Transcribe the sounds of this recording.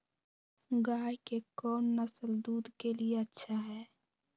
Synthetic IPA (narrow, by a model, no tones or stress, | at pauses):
ɡaːjkekɔːnːəsəld̪uːd̪ʱkelieətːʃʰaɦɛː